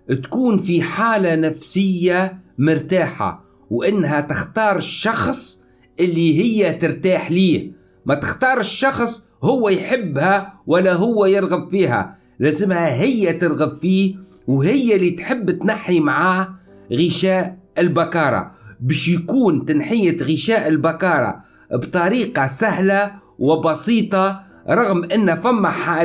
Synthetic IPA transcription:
t̪kuːnfiħaːlanafsɪjːamʊɾt̪aːħa̰ | wʔɪnːɦæt̪ɪxt̪ɑːɾˤɪʃːɑxsˤ | ʔɪlːiɦɪjːat̪ɪɾt̪aːħliːh | mæt̪ɪxt̪ɑːɾˤɪʃːɑxsˤ | hʊwːæjħɪbːhæwɪlːæɦʊwːæjɪɾˤɣabfiːɦæ̰ | læːzɪmhæɦɪjːæt̪əɾˤɣəbfiː | wɦɪjːalit̪ħɪbːt̪naħːimʕaː | ɣəʃæːʔɪlbakɑːɾˤɑ̰bæːʃjkuːnt̪anħijat̪ɣəʃæːʔɪlbakɑːɾˤɑ̰ | bt̪ˤɑɾiːqɑsahlawɪbɑsiːt̪ˤɑ | ɾˤɑɣmʔɪnːhæfæmːaħaː

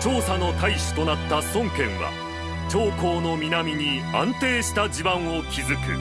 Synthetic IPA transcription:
t͡ɕo̞ːsano̞k̪aiɕi̥t̪o̞nat̪ːasõ̞ŋkẽ̞ɰ̃βa̰ | t͡ɕo̞ːko̞ːno̞mʲinamʲiɲ̟iã̰nt̪e̞ːɕi̥t̪ad͡ʑibãɰ̃o̞kʲizɨkɯ̟̰

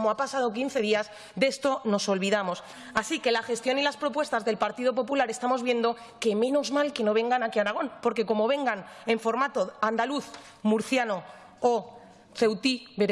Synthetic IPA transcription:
moapasað̞o̞k̬inθe̞ðiaz | d̪e̞st̪o̞no̞so̞lβiðamo̞s | asike̞laxe̞st̪jo̞nilaspɾo̞pwe̞st̪azðe̞lpaɾt̪iðo̞p̬o̞pulaɾe̞st̪amo̞zβje̞nd̪o̞ | ke̞mẽ̞no̞zmalke̞no̞β̞e̞ŋɡanakiaɾaɣ̞o̞npo̞ɾke̞ko̞mo̞βe̞ŋɡane̞ɱfo̞ɾmat̪o̞and̪aluθ | muɾθjano | o | θe̞wt̪iβeɾ

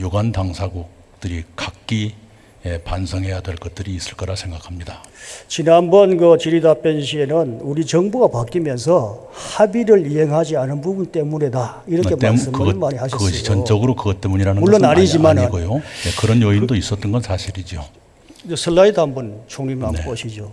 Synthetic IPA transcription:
joɡantaŋsʰaɡuk̚ | t͈ɯɾikak̚k͈i | epansʰʌŋɦe̞jadwe̞ɭk͈ʌt̚t͈ɯɾiːs͈ɯɭk͈ʌɾasʰe̞ŋɡakʰamɲida | t͡ɕinanbʌnɡɯt͡ɕiɾidap͈enɕ̬ʰie̞nɯnuɾit͡ɕʌŋbuɡapak͈imjʌns̬ʰʌ | habiɾɯɭiɦe̞ŋɦad͡ʑianɯnbubunt͈e̞mune̞da | iɾʌkkʰemaeɯmkɯɡʌmaɲihaɕʰɯɡʌɕʰiʌnt͡ɕ͈ʌɡɯɾokɯɡʌt͈e̞muɲiɾanɯnmuɭːonnaɾid͡ʑimaɲninɡojojekɯɾʌnjʌindois͈ʌt͈ɯnɡʌnsʰaɕʰiɾid͡ʑo | esʰɯɭːaidanbɯnt͡ɕʰoŋɲimannep͈ʌɕʰid͡ʑo

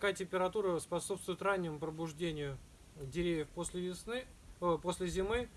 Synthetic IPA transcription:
katʲɪmʲpʲɪɾɐt̪uɾəspɐsopst̪vʊjɪt̪ranʲːɪmʊpɾəbʊʐdʲenʲɪjʊ | dʲɪɾʲevʲjəfpsʲlʲɪɪsɨ | posʲlʲɪzʲɪmɨ

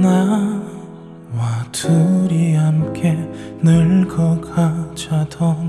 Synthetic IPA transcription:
na | watʰuɾiɦamkʰenɯɭkʌkʰat͡ɕʰadʰʌn

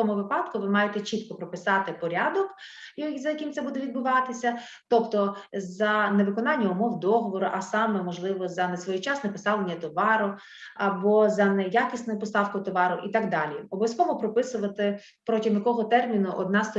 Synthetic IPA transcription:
ɔmʊʋɪpɑd̪̥kʊʋɪmɑjet̪ɛt͡ʃit̪kɔpɾɔpɪsɑt̪ɪpɔɾʲad̪ɔk | jzɐjɐkɪmt̪sɛbud̪ɛʋʲid̪̚bʊʋɑt̪ɪsʲɐ | t̪ɔpt̪ɔzɐneʋɪkɔnɑnʲːɐʊmɔwd̪ɔɦɔʋɔɾʊʔɐsɑmɛmɔʒlˠɪʋɔzɐnesʋɔjit͡ʃɑsnɐpɪsɑlˠenʲːɐt̪ɔʋɑɾʊ | ɐbɔzɐnɛjakʲisʲnɔjʊpɔst̪ɑwkʊt̪ɔʋɑɾʊʔit̪ɑɡd̪ɑlʲiɔbɔsʲkɔmʊpɾɔpɪsʊʋɐt̪ɪ | pɾɔtʲimj̪ɐkɔɦɔt̪ɛrmʲinʊʔɔd̪nɑst̪ɔ

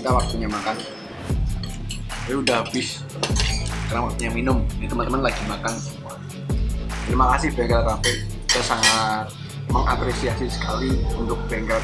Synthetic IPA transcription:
it̪awak̚t̪uɲamakan | aiudaɦabɪs | karnawak̚t̪uɲaminʊmit̪əmənt̪əmanlaɡimakan | t̪əɾimakasɪhbɛŋɡɾat̪ampɛkkit̪asaŋat̪̚ | məŋʔapɾesiasisə̥kaliunt̪ʊk̚b̥ɛŋɡɾa

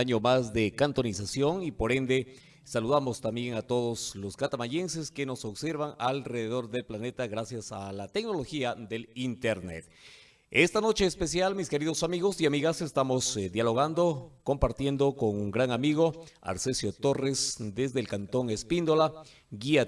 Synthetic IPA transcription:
aɲo̞mazd̪e̞kant̪o̞nisasjo̞ŋipo̞ɾe̞nd̪e̞ | saluðamo̞st̪ambje̞ŋat̪o̞ð̞o̞sloskat̪amaʝe̞nse̞ske̞no̞so̞βse̞ɾβaŋalre̞ðeðo̞ɾðe̞lplane̞t̪aɣɾasjasalat̪e̞kno̞lo̞xiaðe̞lint̪eɾnḛt̪ | est̪ano̞t͡ʃe̞ːspe̞sjalmiskeɾiðo̞samiɣo̞siamiɣase̞st̪amosd̪jalo̞ɣand̪o̞ko̞mpaɾt̪je̞nd̪o̞ko̞ŋuŋɡɾaŋamiɣo̞a̰ɾsesjo̞t̪o̞re̞sd̪e̞zðelkant̪o̞ŋe̞spind̪ola | ɡia

